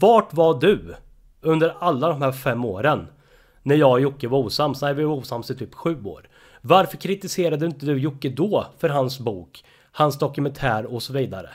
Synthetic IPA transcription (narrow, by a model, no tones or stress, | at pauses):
vɑːʈvaɖɵ | ɵnd̪əɾalːad̪ɔmhæːɾfɛmːoːɾənː | æɾjɑːɡjʊkːəvauːsamsɔɛɾvɪuːsamsɪt̪ʰyːpɧʉ̟ːo̰ːɾ | vaɾfœɾkʰɾɪt̪ɪseːɾad̪əɪnt̪əd̪ɵjʊkːəd̪ɔfœɾɦansbuːk | hansd̪ɔkɵmɛnt̪ʰæːɾɔsɔviːd̪aɾə̰